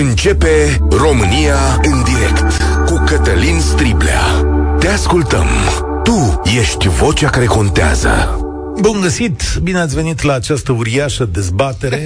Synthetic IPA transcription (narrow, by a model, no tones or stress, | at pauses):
ɨnt͡ʃe̞pe̞ | ro̞mɨnija | ɨnd̪iɾe̞̰kt̪kukət̪əlinst̪ɾiblḛa̰t̪e̞askult̪ə̰m | t̪uje̞ʃt̪ʲvo̞t͡ʃakaɾe̞ko̞nt̪ea̰zə̰ | bunɡəsit̪bineat̪sʲve̞nit̪laːt͡ʃast̪əuɾiaʃəd̪e̞zbat̪e̞ɾe̞